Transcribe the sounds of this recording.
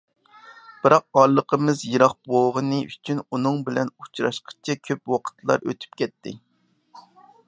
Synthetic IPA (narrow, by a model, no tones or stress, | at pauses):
b̥ɨɾɑq̚ɑlˠːəqʰəmɨzjeɾɑχb̥oʁənɨʔyt͡ʃʰynunɨŋbɪlɛnut͡ʃʰɾɑ̰ʃqʰə̥t͡ʃʰɛkʲʰøpwɑqʰə̥t̪ʰlˠɑ̰ɾø̰t̪ʰy̥p̚kʲʰɛt̪ːɪ̰